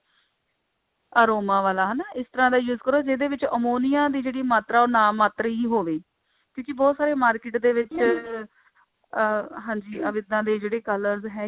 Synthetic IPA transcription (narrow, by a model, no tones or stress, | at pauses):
aːɾoːmãːʋaːlaːɦənaːɪst̪əɾãːd̪aːjuːzkəɾoːd͡ʒed̪eːʋɪt͡ʃəmoːnijãːd̪iːd͡ʒeːɽiːmaːt̪ɾaːoːnaːmaːt̪ɾəiːɦoːʋeː | kjõːkɪbɔːt̪saːɾeːmaːɾkɪʈd̪eːʋɪt͡ʃ | ɦãːɲd͡ʒiːəʋɪd̪nãːd̪eːd͡ʒeːɽeːkələɾzɦɛː